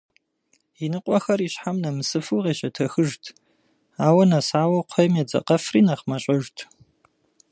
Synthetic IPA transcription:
jinɨqʷʼɔxɐriːɕħamnɐmɨsɨfɨːʁeːɕɐtʰɐxɨʒtʰ | aːwɐnɐsaːwɐqʷʰɔmed͡zɐ̰qɐfriːnɐχmɐɕʼɐʒtʰ

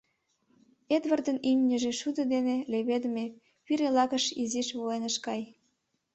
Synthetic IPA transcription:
ed̪βərd̪ə̆nymʲnʲəʒeʃud̪ə̆d̪eneleβed̪ə̆me | piɾelɑɣə̆ʃiziʃβoenəʃkɑj

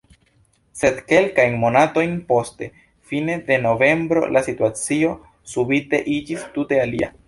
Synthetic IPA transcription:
se̞dke̞lkajnmo̞nato̞jnpo̞ste̞ | fine̞de̞no̞ve̞mbɾo̞̰lʔasituat͡sio̞ | subite̞ʔid͡ʒistute̞alḭa̰

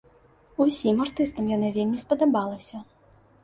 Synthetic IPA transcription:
usʲimart̪ɨst̪ɐmjanavʲelʲmʲispɐd̪abalˠɐsʲɐ

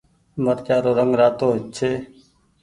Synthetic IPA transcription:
məɾkjaːɾoːɾəŋɡɾaːt̪oːɦɪt͡ʃʰeː

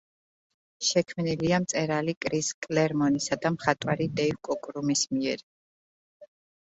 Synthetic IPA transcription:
ʃɛkʰmniliamt̪sʼɛɾalikʼɾiskʼlɛɾmɔnisad̪amχat̪ʼwaɾid̪ɛivkʼɔkʼɾumismiɛɾ

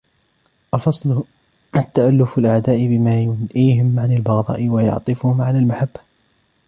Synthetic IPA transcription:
ʔalfɑsˤlʊ | t̪ːaʔalːʊfalʔaʕd̪aːʔɪbɪmaːjʊnʔiːɦɪmʕanalbɑɣd̪ˤɑ̰ːʔɪwajɑ̰ʕt̪ˤɨfʊhʊmʕalaːlmaħabːa

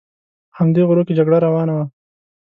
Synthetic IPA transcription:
hamd̪eɣʊɾoked͡ʒaɡɽaɾawɑːnawa

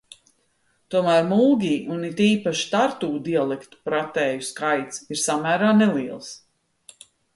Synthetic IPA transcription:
t̪uɔmæːɾmulˠɡʲiːʔunit̪iːpaʃi̥t̪aɾt̪uːd̪ialˠɛkt̪u̥pɾat̪ɛːjuskajt̪siɾsamæːɾaːnɛlˠiɛlˠs

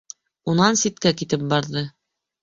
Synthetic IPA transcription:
unɑnsit̪̚kækit̪ɘp̚bɑɾðɤ

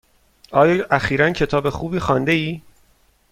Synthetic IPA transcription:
ɒːjɒːʔæxiːɾæncʰe̞t̪ʰɒːbe̞xuːbiːxɒːnd̪e̞iː

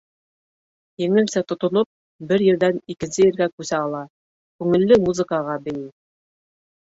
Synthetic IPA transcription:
jɘ̆ŋɘ̆lsæt̪ŏt̪ŏnop̚ | bɘɾjɘ̆ɾðænikɘ̆nsɘjɘ̆ɾɡækʉsæɑlˠɑ | kʉŋɘ̆lːɘmuzɨ̆kɑʁɑbɘ̆ji

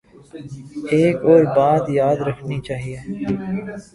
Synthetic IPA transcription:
eːkɔːɾbaːt̪jaːd̪ɾɐkʰnit͡ʃaːɦieː

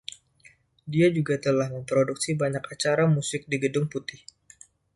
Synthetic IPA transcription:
diad͡ʒuɡat̪əlahməmpɾoduksibaɲakat͡ʃaɾamusɪk̚diɡədʊŋput̪ɪh

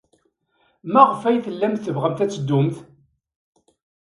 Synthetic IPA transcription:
mæʁəfæjθəlːæmθθəvʁəmθæt͡sːəd̪ːʊmθ

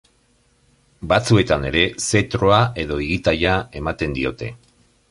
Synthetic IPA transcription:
bat͡sue̞t̪ane̞ɾe̞se̞t̪ɾo̞ae̞ðo̞iɣit̪ajae̞mat̪e̞nd̪io̞t̪e̞̰

